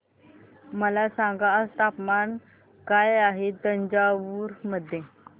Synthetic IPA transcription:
məlasaŋɡaəst̪apman | kajaɦed̪əɲd͡ʑaʋuɾməd̪ʱːje

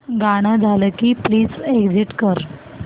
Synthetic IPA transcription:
ɡaɽ̃ad͡zʱaləkiːpliːd͡zeɡd͡ziʈkəɾ

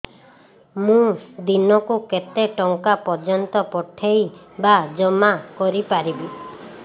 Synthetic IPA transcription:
mũd̪inɔkuket̪eʈɔŋkapɔd͡ʒɔnt̪ɔpɔʈʰej | bad͡ʒɔmakɔɾipaɾibi

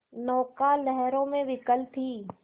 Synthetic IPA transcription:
nɔːkalɛɦɛɾõmẽʋɪkəlt̪ʰiː

